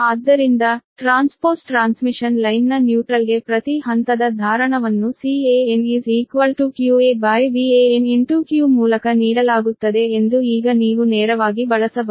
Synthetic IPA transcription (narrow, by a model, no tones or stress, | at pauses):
aːd̪ːɐɾind̪ɐʈɾaːnspoːɾsʈɾaːnsmiʂɐnlɐjnːɐnjuːʈɾɐlɡe̞pɾɐt̪iɦɐnt̪ɐd̪ɐd̪ʱaːɾɐɳɐʋɐnːusieːeniːziːkʋɐlʈukjuːeːbaːjʋieːeniɳʈuːkjuːmuːlɐkɐniːɽɐlaːɡut̪ːɐd̪e̞ːnd̪uiːɡɐniːʋunɛːɾɐʋaːɡibɐɭɐsɐbɐ